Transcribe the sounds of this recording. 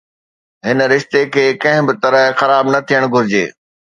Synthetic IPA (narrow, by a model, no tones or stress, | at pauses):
ɦɪn̆ɾɪʃt̪ekʰeːkɐ̃ɦɪ̃bɪt̪ɐɾəɦxɐɾaːbnɐt̪ʰijəɽ̃ɡʱʊɾɪd͡ʑḛː